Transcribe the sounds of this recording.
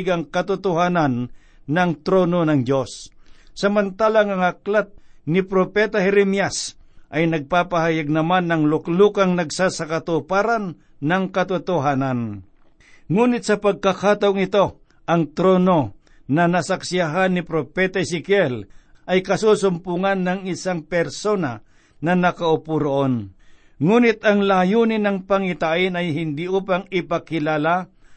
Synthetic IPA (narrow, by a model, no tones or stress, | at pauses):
ɡaŋkɐt̪ʊt̪ʊhaːnanː | ɐŋt̪ɾoːnonɐŋd͡ʒosːɐmant̪aːlaŋɐŋaklat̪̚nɪpɾopɛt̪ahɛɾɛmjasʔɐjnɐɡ̚papahajaɡ̚nɐmanːɐŋlʊklukaŋnɐɡsasakat̪ʊpaːɾanː | ɐŋkɐt̪ʊt̪ʊɦaːnan | ŋuːnɪt̪̚sɐpɐɡ̚kakaːt̪ɐʊŋɪt̪o̞ | ʔɐŋt̪ɾono | nɐnasaksɪaɦanːɪpɾopɛt̪aɪsɪkjɛlʔɐjkɐsusʊmpuŋanːaŋɪsaŋpɛɾsona | nɐnɐkaʊpuɾoʔon | ŋuːnɪt̪aŋlajunɪnɐŋpaŋɪt̪aʔɪnajɦɪnd̪iʔupaŋɪpakɪlala